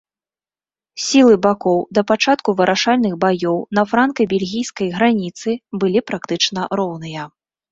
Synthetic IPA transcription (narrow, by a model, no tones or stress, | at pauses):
sʲilˠɨbakɔwd̪ɐpat͡ʂat̪kuvɐɾʔaʂalʲnɨxbajɔwn̪ɐfɾankɐbʲɛlʲɣʲijskɐjɣɾanʲit̪sɨbɨlʲipɾakt̪ɨt͡ʂnɐɾɔwn̪ɨjɐ